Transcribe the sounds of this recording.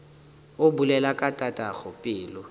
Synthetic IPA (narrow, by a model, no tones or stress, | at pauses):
ʊbulɛlakʼatʼatʼaɣʊpʼɪːlʊ